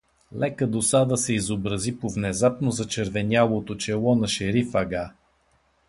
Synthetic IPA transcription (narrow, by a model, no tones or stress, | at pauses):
lɛkəd̪osad̪əsɛizobɾɐzipovnɛzapnozɐt͡ʃɛɾvɛnʲalˠot̪ot͡ʃɛlˠɔnɐʃɛɾifɐɡa